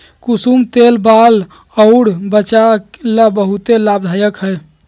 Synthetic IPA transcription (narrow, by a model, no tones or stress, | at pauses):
kusumt̪elbal | əɽbət͡ʃakelabəɦut̪elabd̪ʱajəkɦəj